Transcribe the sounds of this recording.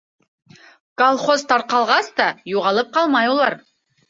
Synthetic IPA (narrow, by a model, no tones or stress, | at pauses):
kolˠχozt̪ʰɑɾqɑlˠʁɑsd̪ɑjuʁɑlˠɤp̚qɑlˠmɑjulˠɑɾ